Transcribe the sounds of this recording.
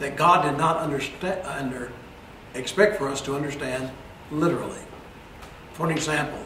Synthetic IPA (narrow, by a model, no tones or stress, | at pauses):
ðɨt̚ɡ̥ɑdɨdⁿnəɾʌ̃ndə˞sndə˞ | ɨkspɛk̚tfə˞ʌstʰəʌ̃ndə˞stæ̃nd | lɪɾə˞l̩ˠḭ | fʰʌ̃ñɨɡzæ̃mpl̩ˠ